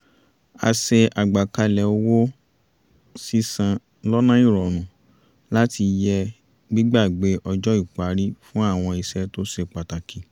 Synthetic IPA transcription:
a̰˧se˧ʔa˨ɡ͡ba˨ka˧lɛ˨o˧wo˦ | si˦sã˧ | lɔ˦nã˦i˦˨ɾɔ˨nũ˨ | la˦ti˧jɛ˧ | ɡ͡bi˦ɡ͡ba˦˨ɡ͡be˨˦ʔɔ˧d͡ʒɔ˦i˦˨k͡pa˨˦ɾi˦fũ˦a˦˨w̃ɔ̃˧i˧sɛ˧˦to˦se˧˨k͡pa˨ta˨kʰi˨

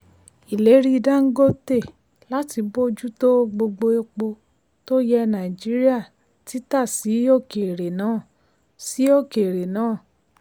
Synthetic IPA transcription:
i˨le˨˦ɾi˦˧da˦ŋ̩˦ɡo˦te˦˨ | la˦ti˧bo˦d͡ʒu˦to˦ɡ͡bo˧ɡ͡bo˧e˧k͡po˧ | to˦jɛ˧nã˨i˨d͡ʒi˨˦ɾi˦a˦˨ | ti˨˦ta˦˨si˨˦o˦˨ke˨ɾe˨nãː˦˨ | si˨˦o˦˨ke˨ɾe˨nãː˦˨

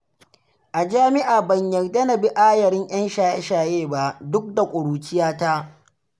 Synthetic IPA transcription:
ʔa˨d͡ʒaː˦mɪ˦ʔaː˨bɐ˨ɲjɐ˨rdɐ˦nɐ˨bi˦ʔaː˦jɐ˨ɾɪ˦ŋj̰ɐ˦nʃaː˨jḛ˦ʃaː˨jeː˦ba˨ʔdʊ˦k̚da˨kʷʼʊ˨ɽuː˨t͡ʃɪ˦jaː˦ta˦

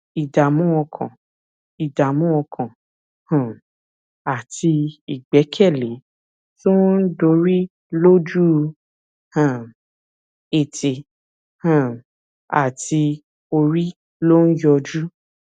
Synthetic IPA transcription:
i˨da˨mũ˦ɔ˧kʰã˨ | i˨da˨mũ˦ɔ˧kʰã˨ | hã˨ | a˨ti˧i˨ɡ͡bɛ˨˦kʰɛ˦˨le˨˦ | to˦n̩˦do˧˦ɾi˦ | lo˦d͡ʒu˦˧ | hã˦˨ | e˨tʰe˨ | hã˨ | a̰˨ti˧ | o˧ɾi˦ | lo˦n̩˦jɔ˧d͡ʒu˦

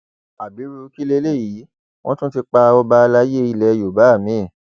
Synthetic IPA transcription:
a˨bi˨˦ɾu˧˦ki˦le˦le˦˨ji˨˦ | w̃ɔ̃˦tũ˦ti˧k͡pa˧ɔ˦ba˧la˦je˦i˧lɛ˨˦jo˨ba˨˦a˦˨mĩ˨˦˨

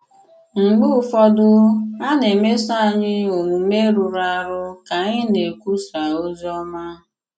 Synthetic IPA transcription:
ŋ͡m̩˨ɡ͡bʊ˦˨fɔ˦dʊ˦a˦ne˨me˦sa˦a˨ɲɪ˦o˨ŋu˨me˦ɾu˨ɾa˨ɾʊ˦ka˨ɲɪ˦ne˨kʷu˦sɾa˨o˦zi˦ɔ˦ma˦

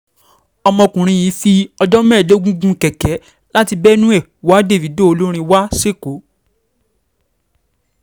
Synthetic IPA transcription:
ɔ˧mɔ̃˧kũ˨ɾ̃ĩ˧jĩ˨˦fi˧ɔ˧dɔ˦mɛ̃ː˦˨lo˦ɡũ˦ɡũ˦kɛ˨kɛ˨˦ | la˦ti˧bɛ˦nũ˦ɛ˦˨wa˨˦de˦˨vi˨˦do˦o˧lo˦ɾ̃ĩ˧wa˦ʃe˦˨ko˨˦

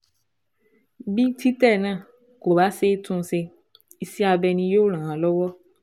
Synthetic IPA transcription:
bi˦tʰi˦tɛ˦˨nã˦˨ | ko˨ba˦se˦tʰũ˦n˦se˨ | i˨si˦a˨bɛ˨nĩ˨˦jo˦l̃ã˨a˨lɔ˦wɔ˦

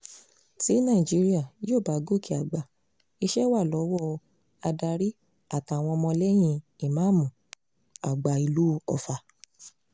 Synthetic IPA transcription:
ti˨˦nãː˦˨i˨d͡ʒi˨˦ɾi˦a˦˨joː˦˨ba˨˦ɡo˦˨ki˨˦a˨ɡ͡ba˨ | i˧ʃɛ˦wa˦˨lɔ˨˦wɔ˦˨˧ | a˧da˧ɾi˦ | a˦˨ta˨w̃ɔ̃˧mɔ̃˧lɛ˦j̃ĩ˧i˨mã˨˦˨mũ˨ | a˨ɡ͡ba˨i˧lu˦ɔ˧fa˧

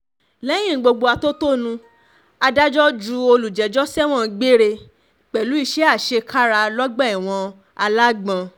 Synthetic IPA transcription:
lɛ˦j̃ĩ˦˨ɡ͡bo˧ɡ͡bo˧a˧to˦to˦nũ˧ | a˧da˦d͡ʒɔ˦d͡ʒu˧˦o˧lu˨d͡ʒɛ˨˦d͡ʒɔ˦sɛ˦w̃ɔ̃˦˨ɡ͡be˦ɾe˧ | k͡pɛ˨lu˨˦i˦˨ʃɛ˨˦a˦˨ʃe˧kʰa˦ɾa˧lɔ˦ɡ͡bɛ˦˨i˨w̃ɔ̃˧ | a˧la˦ɡ͡bã˧

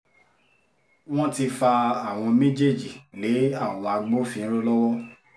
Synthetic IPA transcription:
w̃ɔ̃˦ti˧fa˧a˦˨w̃ɔ̃˧mẽ˦d͡ʒe˦˨d͡ʒi˨le˨˦a˦˨wɔ̃˧wa˧ɡ͡bo˦fĩ˦ɾo˦lɔ˦wɔ˦

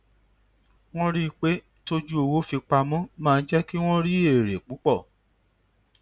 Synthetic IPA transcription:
w̃ɔ̃˦ɾi˦˧k͡pe˦ | to˦d͡ʒu˦o˧wo˦fi˧k͡pa˧mɔ̃˦mãː˦˧n̩˦d͡ʒɛ˦ki˦w̃ɔ̃˦ɾi˦e˦˨ɾe˨k͡pu˨˦k͡pɔ˦˨

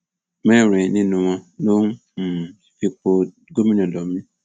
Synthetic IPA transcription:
me˦˨ɾe˨ni˦nu˨ŋa˦no˦ŋ̩˦˨ | fi˦k͡po˦ | ɡo˦mi˦n˨ɔ˨dɔ˨mi˦

